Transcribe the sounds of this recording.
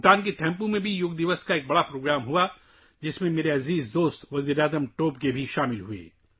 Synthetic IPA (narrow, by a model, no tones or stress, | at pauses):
t̪aːnket̪ʰɛ̃ːmpumẽbʱijʊɡd̪ɪʋəskaeːk̚bɐɽapɾoːɡɾaːmɦua | d͡ʒɪsmẽmeːɾeɐziːzd̪oːst̪ʋɐziːɾaːzəmʈoːpkebʱiʃaːmɪlɦuḛː